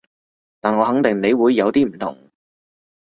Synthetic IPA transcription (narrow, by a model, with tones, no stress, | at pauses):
t̪aː˨nŋɔː˨˧hɐ˨˥ŋt̪ɪ˨˩ŋne˨˧jwuː˨˧jːɐ˨˧wt̪iː˥m̩˨˩t̪ʰʊ̰˨˩ŋ